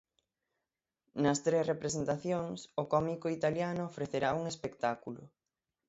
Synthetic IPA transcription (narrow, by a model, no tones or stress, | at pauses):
nɐst̪ɾesrepɾesent̪aθjoŋsʊkɔmikʊit̪aljanʊofɾeθeɾauŋespekt̪akulʊ̰